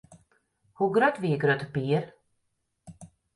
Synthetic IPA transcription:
huɡɾœt̪viːɡɾœt̪piːɾ

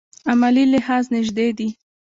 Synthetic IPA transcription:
amalilɪhɑznɪʒd̪ed̪i

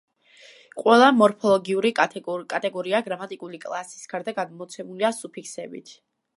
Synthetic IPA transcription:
qʼwɛlˠamɔɾpʰɔlˠɔɡiuɾikʼat̪ʼɛɡɔɾiaɡɾamat̪ʼikʼulikʼlˠasi̥sɡ̥ʰaɾd̪aɡad̪mɔt̪sʰɛmuliasupʰikʰsɛbḭt̪ʰ

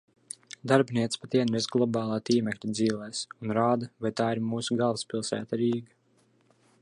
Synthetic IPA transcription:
d̪aɾbʲniɛt̪spat̪ʲiɛnɾɛzɡlˠɔbɑːlˠaːt̪iːmɛklʲid̪ziːlɛːsunɾaːd̪avajt̪aːiɾmuːsuɡalˠvspʲilˠsæ̰ːt̪aɾiːɡa

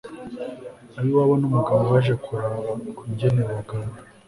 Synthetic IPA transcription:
aɾiwaβanumuɡaːβaʒakʰuɾaβakuɲɟenewaɡana

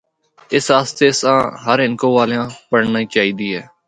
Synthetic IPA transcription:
ɪsaːst̪eːsãːɦəɾɦɪnkõːʋaːljãːpəɽnaːiːt͡ʃaːɦiːd̪iːɦɛː

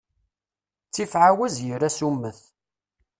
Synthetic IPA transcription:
t͡sːifʕawæzjəɾæsumːəθ

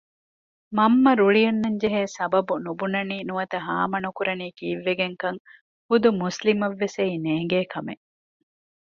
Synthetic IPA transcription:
mɐmːɐɾuɭijɐnːɐɲd͡ʒeɦeːsɐbɐbunubunɐniːnuʋɐt̪ɐɦa̰ːmɐnukuɾɐniːkiːʋːeɡeŋkɐŋ | hud̪umuslimɐʋːesɐineːŋ̆ɡeːkɐmḛ

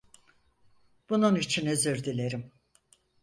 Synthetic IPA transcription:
b̥ununit͡ʃʰinøzøɾd̪ilʲeɾim

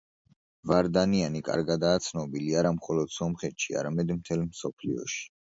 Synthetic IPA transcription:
vaɾd̪anianikʼa̰ɾɡad̪aːt̪sʰnɔbiliaɾamχɔlɔd̪̥sɔmχɛt̪ʃia̰ɾamɛd̪mt̪ʰɛlmsɔpʰlḭɔ̰ʃi̥

